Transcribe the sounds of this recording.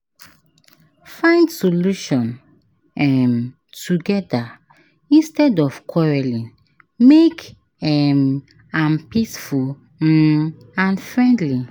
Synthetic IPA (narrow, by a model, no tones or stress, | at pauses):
fãɪ̃ndsoluʃɔ̃n | ɛm | tuɡɛda | ĩnstɛdɔfkʰɔɹɛlĩn | mek | ɛm | ãnpisful | ãnfɹɛ̃ndli